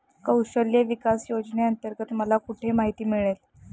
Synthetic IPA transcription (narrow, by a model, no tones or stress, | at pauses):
kəwɕəljəʋikasjod͡zneənt̪əɾɡət̪məlakuʈʰemaɦit̪iːmiɭel